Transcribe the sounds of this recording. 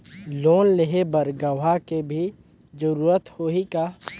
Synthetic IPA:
loːnlɪɦebəɾɡəʋɦakebʱi | d͡ʒəɾuːɾət̪hoːika

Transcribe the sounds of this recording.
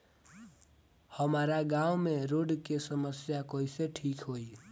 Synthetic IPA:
həmaːɾaɡãːumẽɾoːɖkesəməsjakoːiseʈʰiːkɦoi

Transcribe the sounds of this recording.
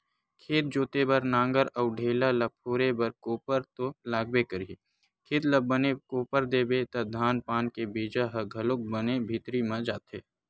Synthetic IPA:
kʰeːt̪̚d͡ʒoːt̪ebɐɾnãːŋɡəɾɔːɖʱeːlalɐpʰoːɾebəɾkoːpəɾt̪olaːɡ̚bekəɾie | kʰeːt̪lɐbənekoːpəɾd̪eːbet̪ɐd̪ʱaːnpaːnkebiːd͡ʒaɦɐɡʱɐlʊk̚bənebʱit̪ɾimãd͡ʒaːt̪eː

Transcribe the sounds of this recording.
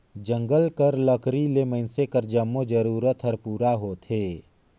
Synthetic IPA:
d͡ʒə̃ŋɡəlkəɾləkʰɾileməɪnsekəɾd͡ʒəmːod͡ʒəɾuːɾət̪ɦəɾpuːɾaɦot̪ʰeː

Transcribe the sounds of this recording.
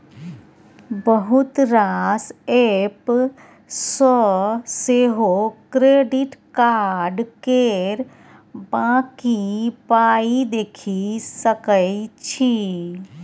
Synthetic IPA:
bəɦʊt̪ɾaseːp | sɔseːɦokɾeːɖiʈkaːɾɾɖkeɾ | bãːkipaːid̪eːkʰisəkəjt͡ʃʰi

